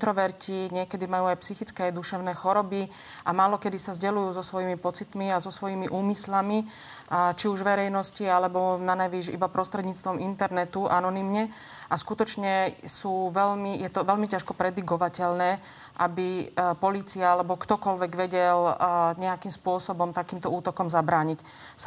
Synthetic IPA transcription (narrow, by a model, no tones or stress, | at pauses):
t̪ɾɔʋɛɾciɲɪɛkɛd̪imajuːajpsixit͡skɛajd̪uʃɛʊnɛːxɔɾɔbi | amaːlɔkɛd̪isazɟɛlujuːzɔsʋɔjimipɔt͡sit̪miazɔsʋɔjiːmiʔuːmislami | t͡ʃiuʒʋɛɾɛjnɔscialɛbɔnanajʋiːʃḭbapɾʔɔst̪ɾɛd̪ɲiːt͡st̪ʋɔmint̪ɛɾnɛt̪uʔanɔniːmɲɛ | askut̪ɔt͡ʃɲɛsuːʋɛlmijɛt̪ɔʋɛlmicaʃkɔpɾɛd̪iɡɔʋacɛlnɛː | ʔabipɔliːt͡siaalɛbɔkt̪ɔkɔlʋɛɡʋɛɟɛlɲɛakimspʊɔsɔbɔmt̪akiːmt̪ɔuːt̪ɔkɔmzabɾaːɲic | s